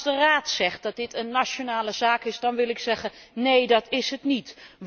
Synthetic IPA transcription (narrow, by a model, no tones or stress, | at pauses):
dəraːtsɛχt̚dɑt̚dɪtənːat͡ʃonaːləzaːkɪsdɑnʋɪlˠɪksɛχənejdɑtɪsɦətnit